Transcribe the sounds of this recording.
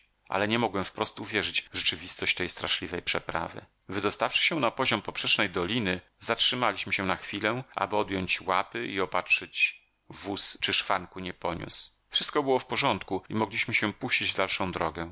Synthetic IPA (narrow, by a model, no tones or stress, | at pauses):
ʔa̰lɛɲɛmɔɡwɛmfpɾɔst̪uvʲjɛʐɘd͡ʑʐɛt͡ʂɘvʲist̪ɔɕt͡ɕt̪ɛjst̪ɾa̰ʂlʲivɛjpʂɛpɾa̰vɘ̰ | vɘd̪ɔst̪afʂɘ̥ɕɛ̃napɔʑɔmpɔpʂɛt͡ʂnɛjd̪ɔlʲinɘ | zatʂɘmalʲiɕmɘɕɛnaxfʲilɛʔa̰bɘɔd̪jɔɲt͡ɕwapɘiɔpatʂɘt͡ɕ | vust͡ʂɘʂfaŋkuɲɛpɔɲṵs | fʂɘst̪kɔbɘwɔfpɔʐɔnt̪kuimɔɡlʲiɕmɘɕɛpuɕt͡ɕid͡ʑvd̪alʂɔ̃w̃d̪ɾɔɡɛ